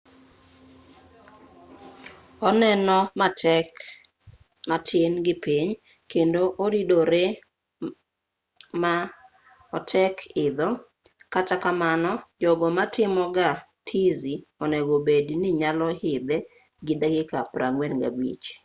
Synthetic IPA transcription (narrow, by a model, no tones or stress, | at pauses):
ɔnɛnɔk | matʰɪnɡɪpiɲ | kendoʔoɾidoɾe | ma | ɔtʰɛkʰɪd̪ɔ | katakamanɔd͡ʒɔɡɔmatʰɪmɔɡa | tʰiziɔnɛɡobedinɪɲalɔhɪd̪ɛ | ɡɪdaɡɪkapɾa̰ŋɡwɛnɡa̰bḭt͡ʃ